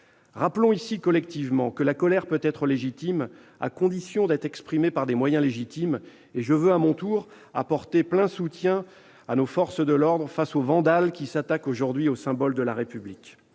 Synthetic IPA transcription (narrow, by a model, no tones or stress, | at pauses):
ʁaplɔ̃isikɔlɛk̚t̪ivmɑ̃kəlakɔlɛʁpøt̪ɛt̪χəleʒit̪im | a̰kɔ̃d̪isjɔ̃d̪ɛt̪χɛkspχimepaʁd̪emwajɛ̃leʒit̪im | eʒəvøamɔ̃t̪uʁ | a̰pɔʁt̪eplɛ̃sut̪jɛ̃ | anofɔʁsd̪əlɔʁd̪ʁəfasovɑ̃d̪alkʲisat̪akoʒuʁd̪ɥiosɛ̃bɔld̪əlaʁepyblikʲ